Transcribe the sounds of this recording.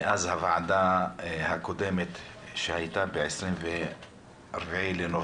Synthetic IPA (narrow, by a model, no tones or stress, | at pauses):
ʔazhavaʕd̪ahakod̪emet̪ʃehajt̪abeʕesɾimve | ʔaɾbaʕileno